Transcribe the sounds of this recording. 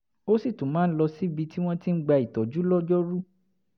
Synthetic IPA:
o˦si˦˨tũ˨mãː˨˦n̩˦lɔ˧si˦bi˧ti˦w̃ɔ̃˦ti˦n̩˦ɡ͡ba˧i˨tɔ˨d͡ʒu˨˦lɔ˦d͡ʒɔ˦ɾu˦

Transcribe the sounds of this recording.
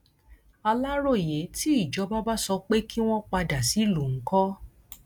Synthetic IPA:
a˧la˦ɾo˦˨je˨˦ti˦i˦˨d͡ʒɔ˨˦ba˦ba˦sɔ˧k͡pe˦ki˦w̃ɔ̃˦k͡pa˧da˨si˨˦lu˨ŋ̩˨˦kɔ˦

